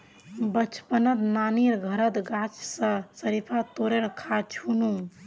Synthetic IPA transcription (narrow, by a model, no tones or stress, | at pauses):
bət͡ʃʰpənət̪naniɾɡʱəɾət̪ɡat͡ʃʰsə̃səɾipʰat̪oɾeɾkʰat͡ʃʰunu